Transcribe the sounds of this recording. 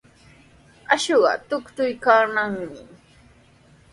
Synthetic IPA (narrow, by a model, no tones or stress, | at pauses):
aʃoɢɑ̰t̪ʊkt̪ʊjkaːnaŋmɪ